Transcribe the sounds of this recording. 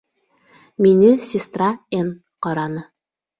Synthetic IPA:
minɘsʲɪst̪raen | qɒɾɑnɤ

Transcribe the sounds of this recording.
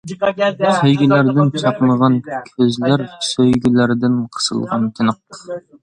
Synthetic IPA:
sejɡʲilæɾd̪ɪnt͡ʃʰɑpməʁɑnkʲʰøzlæɾsøjɡʲilæɾd̪ɪnqʰə̥sɨ̰lˠʁɑ̰nt̪ʰɪnəq̪̚

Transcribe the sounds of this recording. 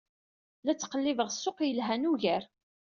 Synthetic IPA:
læt͡sːqəlːɪvəʁsːʊqjəlɦænuʝæɾ

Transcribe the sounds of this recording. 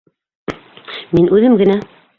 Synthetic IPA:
minʔʉðɘmɡɘ̆næ

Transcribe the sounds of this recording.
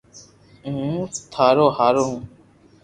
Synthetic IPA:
st̪ʰaːɾoːhaːɾoːɦũː

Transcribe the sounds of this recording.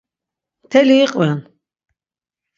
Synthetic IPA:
t̪ʰɛliːqʼwɛn

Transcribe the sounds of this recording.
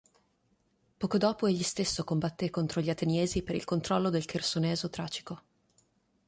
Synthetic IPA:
pɔːkod̪ɔːpoeʎːist̪esːokombat̪ːekont̪ɾoʎiat̪enjeːzipeɾḭlkont̪ɾɔlːod̪elkʰersunɛːzot̪ɾaːt͡ʃi̥ko

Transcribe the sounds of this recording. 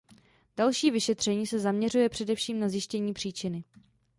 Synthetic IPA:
d̥alʃiːvɪʃɛt̪r̥ɛɲiːsɛzamɲɛrujɛpr̥ɛdɛfʃiːmnazjɪʃcɛɲiːpr̝̥iːt͡ʃɪnɪ

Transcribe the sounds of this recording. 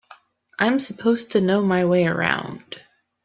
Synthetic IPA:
ʔãɪ̃msəpʰoʊz̥tʰɨnoʊmaɪweɪə̰˞ã̰ʊ̃nd̥

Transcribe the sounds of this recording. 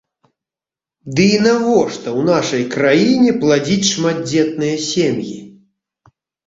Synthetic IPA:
d̪ɨinaɣɔʂt̪ɐwnaʂɐjkɾajinʲɛplˠad͡zʲit͡sʲʂmad̪̚d͡zʲɛt̪̚nɨjɐsʲemjḭ

